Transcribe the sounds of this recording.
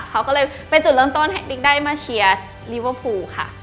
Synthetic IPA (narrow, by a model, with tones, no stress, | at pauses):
kʰa˦˥wkɔː˥˩lɤː˧j | pa˧nt͡ɕu˨˩lɯ˥˩˧ŋt̪o˥˩nhʰɛ˨˦˥k̚t̪i˦˥ŋ̚daː˥˩jmaː˧ɕʰi˧ɐ | li˦˥wə˧˥pʰuː˧kʰa̰˥˩